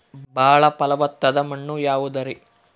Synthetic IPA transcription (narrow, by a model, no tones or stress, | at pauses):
bʱaːɭɐpɐlɐʋɐt̪ːɐd̪ɐmɐɳːujaːʋud̪ɐɾi